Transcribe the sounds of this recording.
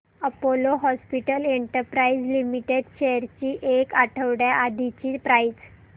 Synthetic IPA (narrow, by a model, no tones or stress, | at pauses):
əpoloɦɔspiʈəleɳʈəɾpɾaid͡zlimiʈeɖɕeəɾt͡ɕiːʔekaʈʰəʋɽjaʔad̪ʱit͡ɕiːpɾajd͡z